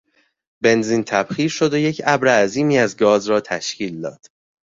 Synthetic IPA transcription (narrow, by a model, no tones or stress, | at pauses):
be̞nziːnt̪ʰæb̥xiːɾʃo̞d̪ojecʰæbɾeːziːmiːæzɡɒːzɾɒːt̪ʰæ̰ʃcʰiːld̪ɒ̰ːd̪̥